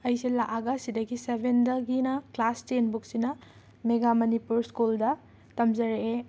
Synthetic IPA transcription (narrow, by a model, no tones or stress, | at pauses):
ɐjsilaʔaɡɐsidɐɡisebʱendɐɡinɐklastenbuk̚sinɐ | meɡamɐnipuɾskuldɐ | tɐmzɐɾee